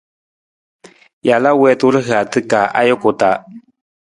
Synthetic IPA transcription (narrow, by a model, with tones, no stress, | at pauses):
ja˨la˦wɛ˧˦tu˦ɾɨ˦ɦɨ˨a˨t̪ɨ˦kaː˨ʔa̰˦jo˦kʊ˨ta˨˦